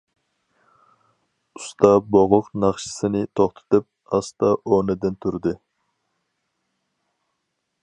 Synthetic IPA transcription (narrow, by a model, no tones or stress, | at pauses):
ust̪ʰɑboʁʊqnɑχʃɨ̥sɨnɪt̪ʰoχt̪ʰɨ̥t̪ɨp̚ | ɑst̪ɑʔonɨd̪ɪnt̪ʰuɾd̪ɨ